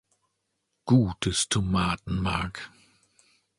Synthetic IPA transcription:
ɡ̥uːtʰɪstʰəmaːtn̩maːk

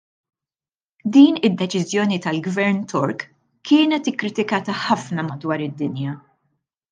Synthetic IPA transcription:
d̪iːnɪd̪ːɛt͡ʃɪzjɔːnit̪ɐlɡvɛɾnt̪ʰɔɾk | kːɪːnɛt̪ɪkːɾɪt̪ɪkɐːt̪ɐħɐfnɐmɐd̪wɐːɾɪd̪ːɪnjɐ

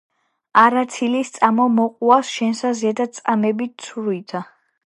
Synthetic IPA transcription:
aɾat̪sʰilist̪sʼamɔmɔqʼuasʃɛnsaziad̪asʼamɛbit̪̚sʰuɾuit̪ʰa

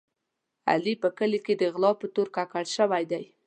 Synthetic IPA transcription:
a̰lipəkəleked̪əɣlɑpət̪oɾkakaɽʃəwajd̪aj

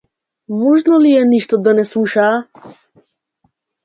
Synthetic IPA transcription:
mɔʒnɔlijɛniʃt̪ɔd̪anɛsluʃa

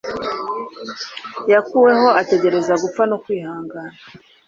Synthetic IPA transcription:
jakuwe̞ɦo̞ate̞ɟe̞ɾe̞zaɡup͡fanokwiːhaːŋɡana

